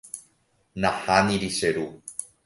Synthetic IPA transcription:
nahaniɾiseɾu

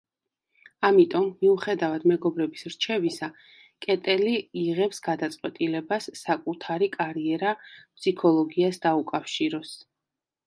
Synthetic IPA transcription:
amit̪ʼɔmːiuχɛd̪avad̪mɛɡɔbɾɛbisɾt͡ʃʰɛvisa | kʼɛt̪ʼɛliːʁɛpsɡad̪at̪sʼqʼwɛt̪ʼilɛbasːakʼut̪ʰaɾikʼaɾiɛɾapʰʼsikʰɔlˠɔɡiasd̪aukʼafʃiɾɔs

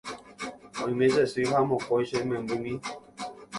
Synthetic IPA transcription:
ɔĩmẽzɛsuiɦamɔ̃kɔiʃɛmɛ̃mbumĩ

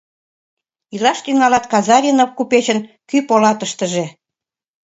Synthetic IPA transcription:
ilɑʃt̪yŋɑlɑt̪kɑzɑɾʲinofkupet͡ɕənkypolɑt̪əʃt̪əʒe

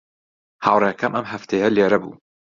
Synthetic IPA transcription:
haːwɾˤekʰɐmʔɐmɦɐft̪ʰejɐleːɾɐbṵː

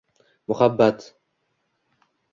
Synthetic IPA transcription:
mʊχabːat̪

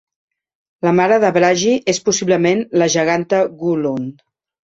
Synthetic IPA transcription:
ləmaɾəðəβɾaʒiʔespusiβləmenləʒəɣ̞ant̪əɣulon

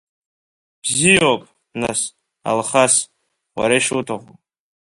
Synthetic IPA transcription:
b̥zijawkʼ | na̰s | a̰lχas | wa̰ɾaʃutʰaʁʷo

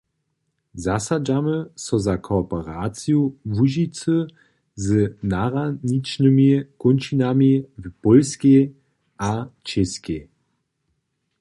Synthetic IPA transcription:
zasad͡ʒaməsɔzakʰɔːpɔʁaːt͡sjuvuʒit͡sə | zənaʁanit͡ʃnəmikunt͡ʃinamipɔlske | at͡ʃɛske

